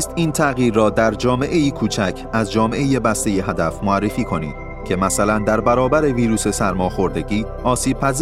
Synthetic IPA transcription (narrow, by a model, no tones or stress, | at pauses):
st̪iːnt̪ʰæɣiːɾːɒːd̪æɾd͡ʒɒːme̞ʔe̞jiːkʰuːt͡ʃʰæcʰæzd͡ʒɒːme̞ʔejebæst̪e̞je̞ɦæd̪æfmoærːe̞fiːkʰo̞nḭːd̪̥ | cʰe̞mæsælænd̪æɾbæɾɒːbæɾe̞viːɾuːse̞sæɾmɒːxo̞ɾd̪e̞ɟiː | ɒːsiːb̥̚pʰæz